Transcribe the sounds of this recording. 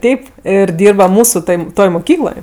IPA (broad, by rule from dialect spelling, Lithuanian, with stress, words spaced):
ˈtʲɛɪp ɪr ˈdʲiːrbɐ ˈmuːsʊ toːj ˈtoːj moːˈkʲiːklˠoːj